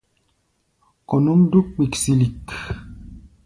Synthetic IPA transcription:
kɔ˨nu˦mdu˦k̚k͡pi˨ksi˨li˨k

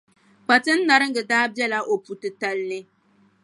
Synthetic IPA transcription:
k͡pa˨tɨ˦n̩˦na˨ɾɨ˦ŋ̩˦ɡɨ˨daː˦bɛ˦la˨ʔo˨pu˨tɨ˨ta˦lnɨ˦

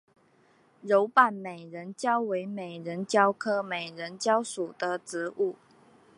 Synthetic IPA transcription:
ɻo˧˥ʊpa˨˩nme˨˩ɪɻə˧˦˥nt͡ɕjɑ˥ʊwe˧˥ɪme˨˩ɪɻə˧˦˥nt͡ɕjɑ˥ʊkʰɤ˥me˨˩ɪɻə˧˥nt͡ɕjɑ˥ʊʂu˨˩d̪̥ə˦ʈ͡ʂɻ̩˧˥ʔu˥˩

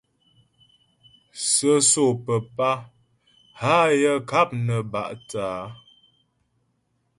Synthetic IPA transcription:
sə˦so˨pə˨pa˦ | ha˦jə˦ka˦p̚nə˨ba̰˨ʔtaː˨˦

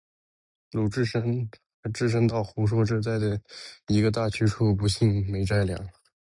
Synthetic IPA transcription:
lu˨˩ʈ͡ʂɻ̩˥˩ʂə˥ŋ˧˥ | ʈ͡ʂɻ̩˥˧ʂ̬ə˥ŋt̪ɑ˥˩ʊxu˧˥ʂ̬wɔ˥˧ʈ͡ʂɻ̩˥˧t͡sa˥˩ɪd̪ə˩i˧˥ɡə˧t̪̬a˥˩t͡ɕʰy˧˥ʈ͡ʂʰu˥˩p̬u˧˥ɕi˥˩ŋme˧˥ɪʈ͡ʂa˥˩ɪljɑ̰˨˥˦ŋ

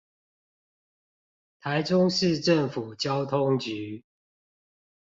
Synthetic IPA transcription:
t̪ʰa˨˦ɪʈ͡ʂʊ˦ŋʂɻ̩˥˨ʈ͡ʂə˥˨ŋfu˨˩t͡ɕjɑ˦ʊt̪ʰʊ˦ŋt͡ɕy˨˦

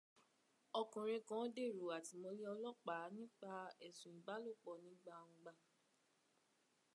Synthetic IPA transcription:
ɔ˧kũ˨ɾ̃ĩ˧kɔ̃˨˦de˦˨ɾo˨a˨ti˨mo˧li˦ɔ˧lɔ˦˨k͡pa˨˦nĩ˦k͡pa˧ɛ˨sũ˨i˨ba˨˦lo˦˨k͡pɔ˨nĩ˨˦ɡ͡bã˦˨˧ũ˧ɡ͡ba˧˨

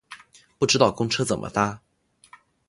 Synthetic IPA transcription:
pu˥˩ʈ͡ʂɻ̩˥t̪ɑ˥˩ʊkʊ˥ŋʈ͡ʂʰɤ˥t͡sə˨˩nmʔə̰˦fa˥

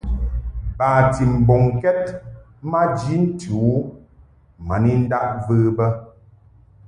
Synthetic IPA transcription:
baː˨ti˨m̩˨bɔ˨ŋkɛ˦t̚ | ma˦d͡ʒi˦n̩˦tu˨˦ | ma˨ni˦n̩˦da˦ʔ̚və˦bə˦

